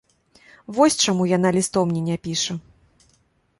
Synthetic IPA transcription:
vɔsʲt͡ʂamujan̪alʲist̪ɔwmnʲinʲɛpʲiʂɐ

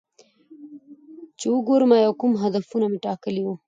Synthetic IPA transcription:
t͡ʃewəɡoɾəmajawkumɦad̪afunameʈɑkəliwu

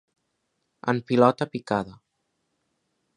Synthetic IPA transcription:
ə̰mpilɔt̪əpikaðə

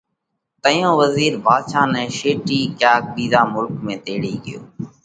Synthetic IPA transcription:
t̪əjõːʋəziːɾbʱaːd̪ʃaːnɛ̃ːʃeːʈiːkjaːk̚ɓiːzaːmʊlkmẽːt̪eːɽiːɠɪ̰jo̰ː

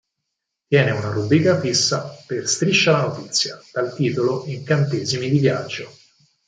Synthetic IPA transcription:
t̪jɛːneunaɾubɾiːkafisːaperst̪ɾiʃːalanot̪it̪sːjad̪̥alt̪iːt̪oloiŋkant̪eːzimid̪ivjad͡ʒːo

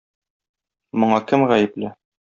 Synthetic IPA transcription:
mŏɴɑkɘmʁæjɘ̆plɘ

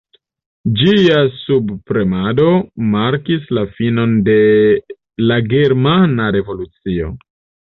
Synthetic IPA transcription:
d͡ʒiasubpɾe̞mado̞maɾkislafino̞nde̞ | laɡe̞ɾmanaɾe̞vo̞lut͡sio̞̰

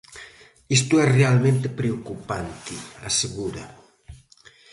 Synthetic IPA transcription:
ist̪uɛsrealmẽnt̪epɾeokupant̪ia̰seɣuɾɐ̰

